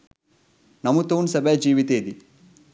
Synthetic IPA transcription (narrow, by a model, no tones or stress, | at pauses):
nɐmut̪oːnsɐbʱed͡ʒiːʋit̪eːd̪i